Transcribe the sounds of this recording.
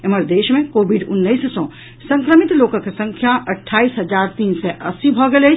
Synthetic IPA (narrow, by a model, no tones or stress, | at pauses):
eməɾd̪eːʃmẽkobʱiɖunːəissɔ̃ | sə̃ŋkɾəmit̪lokəkesə̃ŋkʰjaʔəʈʰːaisɦəd͡ʒaɾt̪iːnsɛʔəsibʱɔɡelət͡ʃ